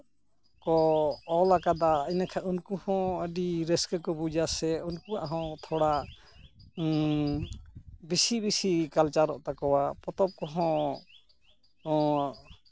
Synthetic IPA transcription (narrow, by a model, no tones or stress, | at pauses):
kɔːlakad̪aəjnakʰaunkuhɔ̃əɖiɾɛskəkɔbud͡ʒasɛunkuaʔɦɔ̃t̪ʰɔɽaʔ | bisibisikalt͡ʃaɾɔʔt̪akɔwapɔt̪ɔp̚kɔɦɔ̃